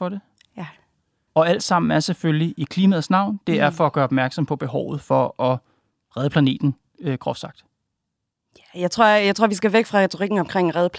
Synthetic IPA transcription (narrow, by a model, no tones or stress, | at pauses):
fɒ̽ɾe̝ | ɒ̽æl̰d̥sɑ̈m̰n̩æɐseføljiʔikʰliːmɛðˠsnɑ̈ʊ̰nd̥e̝æɐfɒ̽ːɡ̥ɶːɐɒb̥mæɐɡ̥sɒ̽mpʰɒ̽b̥e̝ɦɒʊð̞̩ˠfɒ̽ʔɒ | ʁɛð̞ˠpʰlæne̝̰ːd̥n̩ | økʰʁɒ̽fsɑ̈ɡ̥d̥ | jæjɑ̈ɪt͡sʰʁo̝ɐ̰jɑɪt͡sʰʁo̝ɐʋisɡ̥æʋeɡ̥fʁɑ̈ʁɛt͡sʰoʁiɡ̥n̩ɒ̽mkʰʁeŋ̰ʁɛðˠəpʰ